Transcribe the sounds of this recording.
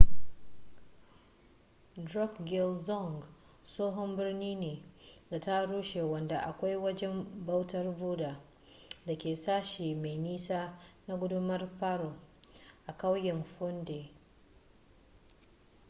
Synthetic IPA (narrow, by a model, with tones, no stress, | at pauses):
dɾɔ˦kɡɪ˨lzɔ˦˨ŋɡ | soː˦ɦɔ˦mbɪ˦rniː˦neː˨da˨ta˦ɽuː˦ʃe˨wɐ˨nda˨ʔa˨kʷa˦jwɐ˦d͡ʒɛ˦mba˦wtɐ˦rbuː˦daː˨ | da˨kʲeː˨saː˦ʃiː˨me˨jniː˦saː˦na˦ɡʷʊ˦dʊ˦mɐ˦rɸaː˦ɾo˨ʔa˨ka˦wjɛ˨nɸʊ˦nde˨